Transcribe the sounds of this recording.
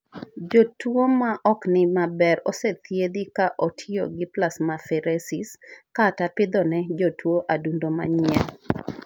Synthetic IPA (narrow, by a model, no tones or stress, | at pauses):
d͡ʒotwomaʔɔknɪmabɛɾoset̪jed̪ikaʔotʰɪo̰ɡɪplasmafɛɾesiskatapɪd̪ɔnɛd͡ʒotwoʔadundoma̰ɲjɛl